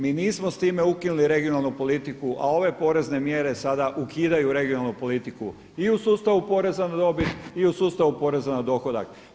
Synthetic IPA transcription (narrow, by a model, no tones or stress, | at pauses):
miːniːsmost̪iːme̞ukinuliɾe̞ɡionalˠnupo̞lit̪ikuʔa̰o̞ʋe̞po̞ɾe̞zne̞mje̞ɾe̞sad̪aʔukʰiːd̪ajuɾe̞ɡionalˠnupo̞lit̪iku | iusuːst̪aʋupo̞ɾe̞zanad̪o̞bit̪iusuːst̪aʋupo̞ɾe̞zanad̪o̞xo̞d̪a̰k